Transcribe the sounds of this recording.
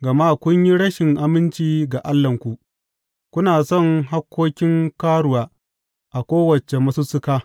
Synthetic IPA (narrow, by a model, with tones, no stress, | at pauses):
ɡɐ˨ma˦kʷʊ˦ɲji˦ɽɐ˦ʃɪ˨ŋʔa˨mɪ˦nt͡ʃiː˦ɡa˨ʔa˦lːɐ˨ŋkʷu˨ʔ | kʷʊ˦naː˨sɔ˦˨ŋɦa˦kʷːoː˦kʲɪ˦ŋkaː˦ɽʊ˨waː˦ | ʔa˨kʷoː˦wɐ˨t͡ʃe˨mɐ˦sʊ˦sʊ˦kaː˦